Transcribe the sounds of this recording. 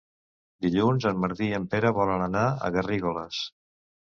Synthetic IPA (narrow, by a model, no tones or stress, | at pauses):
d̪iʎunzəmməɾðiəmpeɾəβɔlənənaə̰ɣəriɣoləs